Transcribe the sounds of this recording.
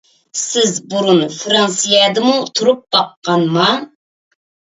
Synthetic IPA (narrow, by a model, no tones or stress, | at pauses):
sɪzbuɾunfɾɑnsijɛd̪ɨmut̪ʰuɾup̚b̥ɑqːɑnmɑ